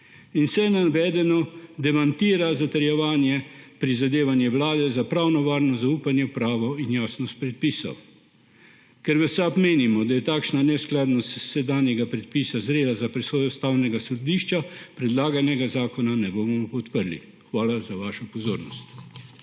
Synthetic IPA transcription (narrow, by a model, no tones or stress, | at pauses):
insɛnanʋɛːd̪ɛnɔd̪ɛmant̪iːɾazat̪ɛɾjɛʋaːnjɛpɾizad̪eːʋanjɛʋlaːd̪ɛzapɾawnɔʋaːɾnɔzauːpanjɛwpɾaːʋɔinjaːsnɔst̪̚pɾɛt̪̚piːsɔ̰w | kɛɾʋɛsapmeːnimɔd̪ajɛt̪aːkʃnanɛsklaːd̪nɔst̪sɛd̪aːnjɛɡapɾɛt̪̚piːsazɾeːd̪azapɾɛsoːjɔst̪awnɛɡasɔd̪iːʃt͡ʃapɾɛd̪laːɡanɛɡazaːkɔnanɛbomɔpɔt̪pəɾlḭ | xʋaːlazaʋaːʃɔpɔzoːɾnɔst̪